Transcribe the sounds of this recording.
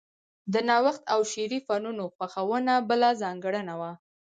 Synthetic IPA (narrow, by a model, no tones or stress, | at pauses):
d̪ənɑwaxt̪awʃeɾifɑnunoxwaxawənabəlazɑŋɡəɽənawa